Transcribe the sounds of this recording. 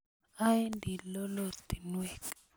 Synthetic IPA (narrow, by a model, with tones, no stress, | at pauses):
a˦i˦ndi˨lɔ˦lo˦˨t̪i˨nwɛ˦˨k